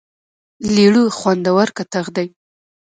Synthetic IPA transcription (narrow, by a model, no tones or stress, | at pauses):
liɽuxwand̪awaɾkat̪aɣd̪aj